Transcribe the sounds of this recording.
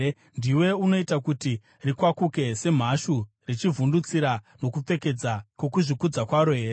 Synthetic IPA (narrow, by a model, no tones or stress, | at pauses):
ndiwe̞uno̞itakuti | rikwakuke̞se̞m̤aʃu | rit͡ʃivundut͡siɾano̞kup͡fe̞ke̞d͡zakwo̞kuʐikud͡zakwaɾoɦe̞ːɾe